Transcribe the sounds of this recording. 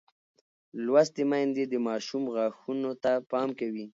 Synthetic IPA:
lwast̪emajnd̪ed̪əmɑʃumɣaxunot̪apɑmkawi

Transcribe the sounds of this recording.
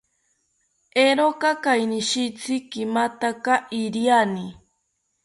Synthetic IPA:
eɾokakajniʃit͡sʰikimat̪akaʔiɾiani

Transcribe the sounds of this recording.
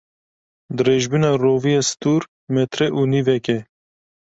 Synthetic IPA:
d̪ɨɾeːʒbɨnɑːroːvijest̪uːɾ | mɛt̪ʰɾɛʔuːniːvɛkɛ

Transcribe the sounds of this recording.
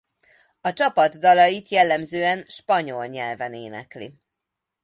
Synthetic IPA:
ɒt͡ʃɒpɒd̪ːɒlɒjit̪jɛlːɛmzøːɛnʃpɒɲo̞lɲɛlvɛnḛːnɛ̰klḭ

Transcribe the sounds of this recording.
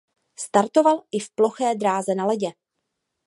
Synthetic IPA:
st̪aɾt̪o̞valʔɪfplo̞xɛːd̪ɾaːzɛnalɛɟɛ

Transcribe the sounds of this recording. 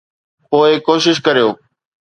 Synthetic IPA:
poːɪkoːʃɪʃkɐɾijoː

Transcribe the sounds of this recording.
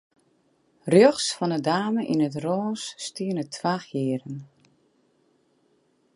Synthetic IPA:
rjøχsfɔnədaːməʔinət̬rɔːsːtiənətʰʋaːχjɪːɾən

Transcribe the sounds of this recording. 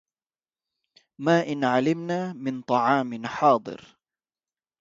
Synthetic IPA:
maːʔɪnʕalɪmnaːmɪnt̪ˤɑʕɑːmɪnħɑːd̪ˤɨ̰ɾ

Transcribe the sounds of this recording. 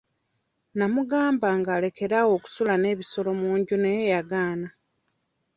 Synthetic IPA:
namuɡaːmbaːŋɡaːle̞ke̞ɾawo̞ːku̥sulane̞ːβiso̞lo̞muːɲɟunejejaɡaːna

